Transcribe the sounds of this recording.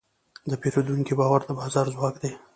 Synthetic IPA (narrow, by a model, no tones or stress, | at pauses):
d̪əpeɾod̪uŋkibɑwaɾd̪əbɑzɑɾzwɑːkd̪e